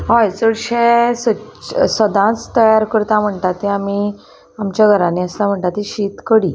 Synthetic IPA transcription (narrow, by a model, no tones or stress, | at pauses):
ɦɔjt͡səɽɕesəsəd̪ãt͡st̪əjaɾkəɾt̪ãm̤əɳt̪at̪ːiami | amt͡ɕjaɡʱəɾaniəslam̤əɳt̪at̪iɕit̪kəɽi